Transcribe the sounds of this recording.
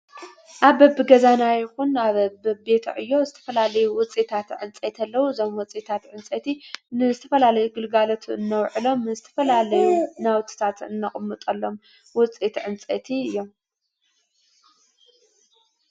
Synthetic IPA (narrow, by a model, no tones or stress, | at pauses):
ʔaβɐbːɨɡɐzanajɪxunaβbɐbe̞t̪ʰɐʕɨjːo̞zɨt̪ʰɐ̥fɐlalɐjuwʊt͡sʼet̪ʰat̪ʕɨnt͡sʼet̪ʰɐlːɐwuɨzo̞mwɔt͡sʼet̪ʰat̪ʕɨnt͡sʼet̪ʰinɨzɨt̪ʰɐfɐlalɐjuɡɨlɡalot̪ʰuɨnːɐwʕɨlo̞mːɨzɨt̪ʰɐfɐlalɐjunawt̪ʰi̥t̪ʰat̪ɨnːɐχʼmːɨt̪ʼɐlːo̞m | wʊt͡sʼet̪ʕɨnt͡sʼḛt̪ʰiɨjːo̞m